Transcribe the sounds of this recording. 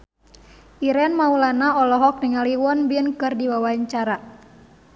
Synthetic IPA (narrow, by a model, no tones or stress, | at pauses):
ʔiɾɛnmaulanaɔlɔɦɔk̚niŋaliwɔnbiənkɨrdiwawaiɲt͡ʃaɾa